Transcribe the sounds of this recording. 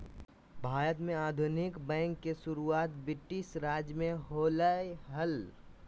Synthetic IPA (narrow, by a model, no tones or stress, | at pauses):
bʱaːɾət̪mẽaːd̪ʱʊnɪkbɛ̃ːŋkːesʊɾuaːt̪bɪʈɪʃɾaːd͡ʒjmẽɦoːləjɦəl